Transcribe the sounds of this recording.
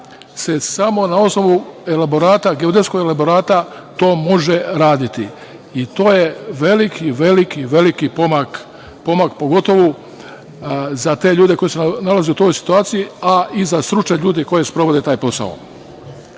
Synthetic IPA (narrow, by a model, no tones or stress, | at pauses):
sesamo̞nao̞sno̞ʋuelabo̞ɾaːt̪aɡeod̪esko̞ɡelabo̞ɾaːt̪a | t̪o̞ːmo̞ʒe̞ɾaːd̪it̪i | it̪o̞ːjeʋe̞likʰiʋe̞likiʋe̞likipomak | po̞makpo̞ɡo̞t̪o̞ʋu | zat̪e̞ʎuːd̪e̞ko̞jesenalaze̞ut̪o̞ːjsi̥t̪uaːt̪sijiaizast̪ɾut͡ʃeʎuːd̪eko̞je̞spɾo̞ʋo̞d̪e̞t̪aːjpo̞sa̰o̰